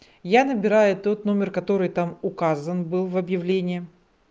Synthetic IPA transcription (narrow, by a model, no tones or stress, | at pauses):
janəbʲɪɾajʊt̪o̞t̪no̞mʲɪrkɐt̪o̞ɾɨjt̪amʊkazənbɨlˠvɐbjɪvlʲenʲɪjɪ